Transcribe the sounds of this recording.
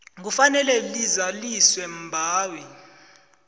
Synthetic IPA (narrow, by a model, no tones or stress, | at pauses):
ŋufanɛlɛlizaliswɛm̩bʱaːwɛ